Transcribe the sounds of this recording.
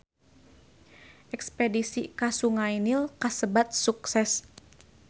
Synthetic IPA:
ʔɛkspedisikasuŋainilkasəbat̪̚suksɛs

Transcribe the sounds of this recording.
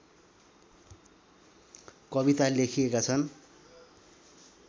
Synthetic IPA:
kʌβit̪alekʰijekat͡sʰʌn

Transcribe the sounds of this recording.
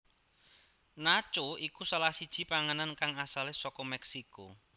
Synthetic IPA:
nat͡ʃoikusalahsid̥ʒ̥i̤paŋənankaŋasalesɔkɔmɛksiko̰

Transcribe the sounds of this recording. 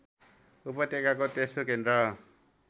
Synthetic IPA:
upʌt̪ekakot̪esokend̪ɾʌ

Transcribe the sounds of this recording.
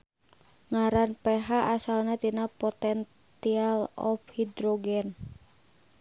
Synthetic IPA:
ŋaɾanpɛɦaʔasalnat̪inapɔt̪ɛn | sialɔ̰fhid̪ɾɔɡɛn

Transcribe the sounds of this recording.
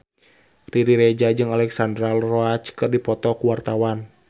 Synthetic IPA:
riɾiɾɛd͡ʒad͡ʒɨŋalɛksandɾalrɔat͡ʃkɨrdipɔt̪ɔkuwart̪awan

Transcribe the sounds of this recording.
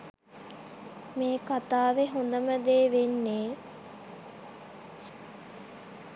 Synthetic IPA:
meːkat̪aːʋeɦund̪əməd̪eːʋenːeː

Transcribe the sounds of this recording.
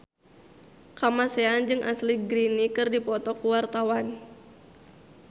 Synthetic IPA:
kamaseand͡ʒɨŋʔa̰sliɡɾinikɨrdipɔt̪ɔkuwart̪awan

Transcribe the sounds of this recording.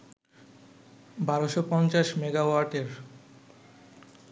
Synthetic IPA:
baɾoʃopɔnt͡ɕaʃmeɡawaɾʈeɾ

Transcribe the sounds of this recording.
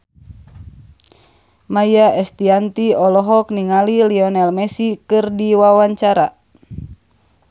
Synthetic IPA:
majaʔɛst̪iant̪iɔlɔɦɔkniŋaliliɔnɛlmɛsikɨrdiwawaɲt͡ʃaɾa

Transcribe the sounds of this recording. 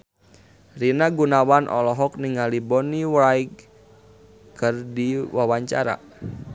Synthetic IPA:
rinaɡunawanʔɔ̰lɔɦɔk̚niŋalibɔniwaiɡ | kɨrdiwawaɲt͡ʃa̰ɾa̰

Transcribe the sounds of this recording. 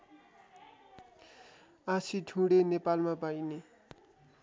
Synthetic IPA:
asiʈʰũɽenepalmapajne

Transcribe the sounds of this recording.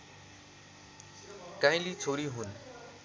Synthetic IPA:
kãj̃lit͡sʰoɾiɦun

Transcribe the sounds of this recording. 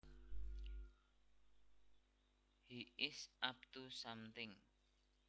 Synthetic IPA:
hiʔɪsʔap̚t̪usamt̪ɪŋ

